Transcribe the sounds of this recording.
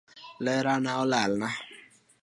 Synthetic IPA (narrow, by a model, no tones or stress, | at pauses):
lɛɾanaolalna